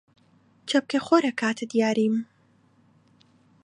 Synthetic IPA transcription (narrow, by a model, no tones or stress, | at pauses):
t͡ʃʰɐp̚kexoɾɐkʰaːt̪ʰɨd̪ijaːɾim